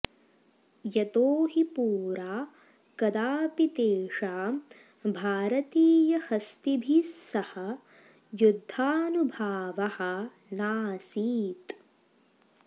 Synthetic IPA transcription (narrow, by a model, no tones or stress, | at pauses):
jɐt̪oːɦipuːɾaː | kɐd̪aːpit̪eːʂaː | bʱaːɾɐt̪iːjɐhɐst̪ibʱisːɐhɐ | jud̪ʱːaːnubʱaːʋɐhɐ̆ | naːsiːt̪